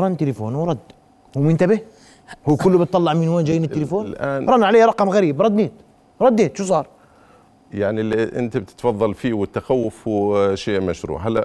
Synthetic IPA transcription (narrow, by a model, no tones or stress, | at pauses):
ɾˤɑnt̪ːɪlɪfoːnwɾˤɑd̪ː | huːmɪnt̪abɪ | huːkʊlːbɪt̪ˤːɑlːɑʕminwaːnd͡ʒajːiːnɪt̪ːɪlifoːnlʔaːɾˤɑnʕaleːjɾˤɑqɑmɣaɾiːbɾˤɑd̪neːt̪ | ɾˤɑd̪ːeːt̪ʃuːsˤɑːɾˤ | jaʕniliʔɪ̰nt̪abt̪ɪ̥t̪fɑðˤːɑlfiːwɪt̪ːaxawːʊfwʃeːʔmaʃɾṵːʕalːæ